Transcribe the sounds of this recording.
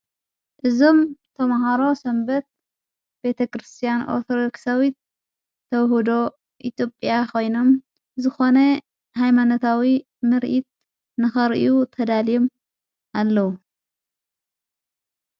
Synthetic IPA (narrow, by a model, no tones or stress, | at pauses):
ʔɨzo̞mt̪ʰɐmaɦaɾo̞sɐmbɐt̪̚ | b̥e̞t̪ʰɐkʰɾɨst̪ʰijanʔo̰ɾt̪ʰod̪oksawit̪̚ʰː | ɐwhud̪o̞ | ʔit̪ʰjo̞pʼjakʰo̞jno̞m | zɨxo̞nɐ | hajmanot̪ʰawi | mɨɾʔit̪̚ | nɨxɐɾʔiut̪ʰɐd̪alijom | ʔalːɐwu